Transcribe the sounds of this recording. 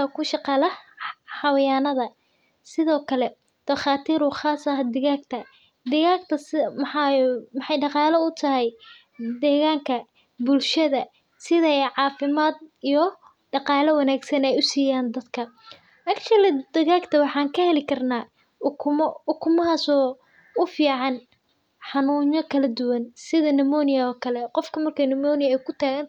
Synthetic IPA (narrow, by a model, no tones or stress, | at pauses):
ɐkʰʊʃɑqɑlɐħɑwɐjaːnɐðɐ | sɪðɔːkʰɐlɛ | d̪̥ɐχɑːt̪ʰiːɾʊχaːsɐɦɐd̪ɪɣaːɡ̚t̪ʰɐ | d̪ɪɣaːɡt̪ʰɐsmħɑmɑħɑjɖɑqɑːlɐʊt̪ʰɐɦɛj | d̪ɛːɣaːŋkʰɐ | bʊlʃɐðɐ | sɪðɐʕɑːfɪmaːd̪ijɞ | ɖɑqɑːlɐwɐnaːɡsɐnɛjʊsiːjaːnd̪ɐd̪kʰɐ | ʔɐkt͡ʃɐlɪd̪ɐɣaːɡt̪ʰɐwɑħɑːŋkʰɐhɛlɪkʰɐrnaː | kʰmʊkʰʊmɐɦaːsɔː | ʊfiːʕɑn | ħɑnuːɲɔkʰɐlɐd̪ʊwɐnsɪðɐnɐmɔːnɪjɐɔːkʰɐlɛqɔfkʰɐmɐrkʰɐjnɪmɔːnɪjɐɛjkʰʊt̪ʰaːɣɐn